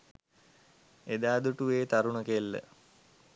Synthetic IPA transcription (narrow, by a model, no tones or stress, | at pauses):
ed̪aːd̪uʈuʋeːt̪aɾuɳəkelːə̰